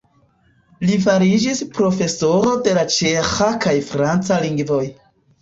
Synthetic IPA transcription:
lifaɾid͡ʒispɾo̞fe̞so̞ɾo̞de̞lat͡ʃe̞xakajfɾant͡saliŋɡvo̞j

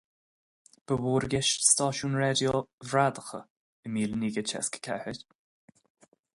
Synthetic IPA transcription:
b̥əwuːɾɡɛʃst̪ɑːʃuːnɹɛd̪jovɾad̪əxə | əmiːlniːɡət͡ʃɛ̰skə̥kʰɛ̰hɪdʲ

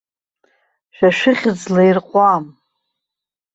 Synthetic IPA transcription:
ʃᶣaʃᶣɪχʲɪd͡zlairqʷʼam

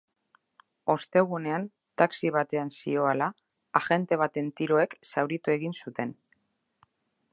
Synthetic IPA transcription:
o̞st̪e̞ɣ̞une̞an | t̪aksiβ̞at̪e̞ansio̞alaː | xe̞nt̪e̞β̞at̪e̞nt̪iɾo̞e̞ksawɾit̪ue̞ɣinsut̪e̞n

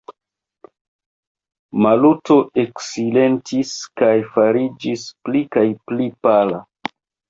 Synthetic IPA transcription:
maluto̞ʔe̞ksile̞ntiskajfaɾid͡ʒisplikajplipala

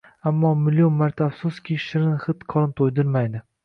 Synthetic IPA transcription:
amːɒmɪlːijonmaɾt̪ʰafsʊskʲʰiʃɪɾɪnχɨt̪qʰɒlˠɪmt̪ʰojd̪ɪɾmajd̪ɪ

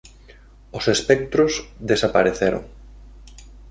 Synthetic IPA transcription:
ʊsespɛk̚t̪ɾʊzðesapaɾeθeɾʊ̰ŋ

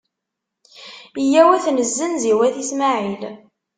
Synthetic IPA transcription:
ijæwæθnəzːənziwæθismaʕil

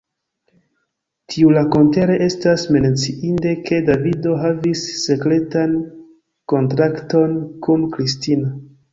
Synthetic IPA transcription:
tʰiulako̞nte̞ɾeʔe̞stasme̞net͡siʔinde̞ke̞davido̞ɦavisːe̞kɾe̞tan | ko̞ntɾakto̞nkunkɾistina

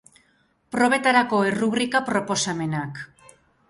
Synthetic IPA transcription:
pɾo̞β̞e̞t̪aɾako̞eruβɾikapɾo̞po̞same̞nak

